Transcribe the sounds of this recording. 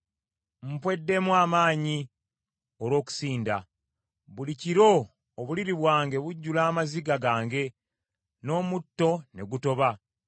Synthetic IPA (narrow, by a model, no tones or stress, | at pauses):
m̩pwe̞dːe̞mwaːmaːɲi | oɾwo̞ːku̥siːnda | βuliciɾo̞ː | βuliɾiβwaːŋɡe̞βuɟːulaːmaziɡaɡaːŋɡe̞ | no̞ːmutːo̞ne̞ɡuto̞βa